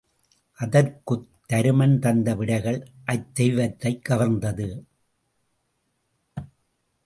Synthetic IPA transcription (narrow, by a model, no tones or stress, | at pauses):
ʔɐðɐɾkɯt̪ːɐɾɯmɐnt̪ɐnd̪ɐʋɪɽɐɪɣɐɭʔɐt̪ːɛjʋɐt̪ːɐɪkːɐʋɐɾnd̪ɐðɯ